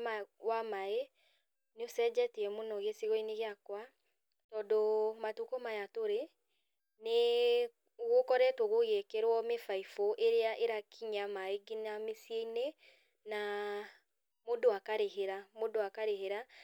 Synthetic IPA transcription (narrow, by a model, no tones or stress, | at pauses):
awamae | neosɛd͡ʒɛteɛmonɔɣeseɣɔineɣeakwa | tɔdomatukomajatoɾe | ne | ɣokɔɾɛtwɔɣoɣekɛɾwɔmefaifoʔeɾeaʔeɾakʰiɲamaeɡinamesieine | na | modowakaɾeɦeɾamodoakaɾeɦeɾa